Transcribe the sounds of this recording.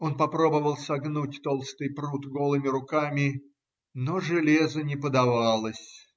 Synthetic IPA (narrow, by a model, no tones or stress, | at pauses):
o̞npɐpɾo̞bəvəlˠsɐɡnut̚ʲt̪o̞lˠst̪ɨjpɾut̪ɡo̞lˠɨmʲɪɾʊkamʲɪ | noʐɨlʲezənʲɪpəd̪ɐvalˠəsʲ